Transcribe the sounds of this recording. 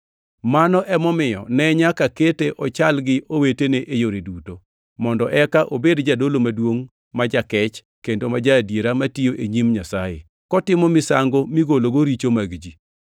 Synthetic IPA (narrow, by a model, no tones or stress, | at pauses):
manɔʔɛmɔmɪjɔ̰nɛɲakaketeʔɔt͡ʃalɡɪʔoweteneʔejoɾeduto | mɔndɔʔɛkaʔobedd͡ʒadolomadwoŋ | mad͡ʒakɛt͡ʃ | kendomad͡ʒadjeɾamatioʔeɲimɲasajḛ | kɔtɪmɔmɪsaŋɡomiɡoloɡoɾit͡ʃomaɡd͡ʒi